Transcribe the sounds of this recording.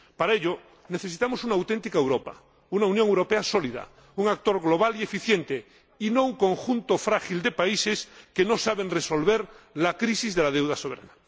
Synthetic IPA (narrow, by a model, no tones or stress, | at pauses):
paɾaeʎo | ne̞θe̞sit̪amosunawt̪ent̪ikaewɾopa̰ | unaunjõŋewɾo̞peasoliða̰ | uŋak̚t̪o̞ɾɣloβ̞alie̞fiθjent̪e | inouŋkoŋxunt̪ofɾaxild̪epaise̞skenosaβenreso̞lβ̞eɾlakɾisizðelað̞ewðaso̞βeɾa̰na